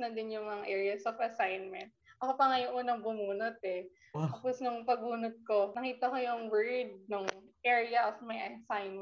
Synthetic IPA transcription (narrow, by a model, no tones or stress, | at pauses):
nɐd̪ɪnjʊŋmɐŋaʔɛːɹɪɐsofɐsajnmɛnt̪̚ʔɐkopɐŋɐjʊŋʔuːnɐŋbʊmuːnot̪̚ɛ | kɐpʊsnʊŋpɐɡuːnʊt̪̚ko̞nɐkiːt̪ɐkojʊŋwɛɹd̪̚nʊŋʔɛːɹɪjɐʔofmɐjʔɐsajnm